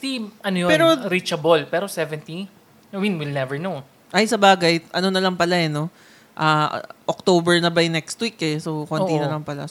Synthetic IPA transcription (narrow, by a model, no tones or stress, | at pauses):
siʔɐnojopɛːɾoɾit͡ʃɐbolpɛːɾosɛvɛnt̪i | winwilnɛvɛɹnow | ʔɐjsɐbaːɡɐjʔɐno̞nɐlɐŋpɐlaɛno̞ | ʔaːʔok̚t̪oːbɛɹnɐbɐjnɛkst̪wikːɛsokonʔt̪inɐlɐŋpɐla̰